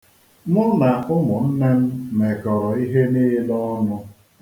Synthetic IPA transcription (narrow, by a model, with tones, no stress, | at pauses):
mʊ˦na˨a˨ʊ˦mʊ˨n̩˦ne˦m̩˦me˨kɔ˨ɾɔ˨i˦ɦe˦niː˦lɔ˦nʊ˦